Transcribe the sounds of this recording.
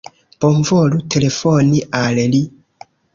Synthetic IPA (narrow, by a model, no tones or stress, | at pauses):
b̥oɱvolutʰelefoniʔaleli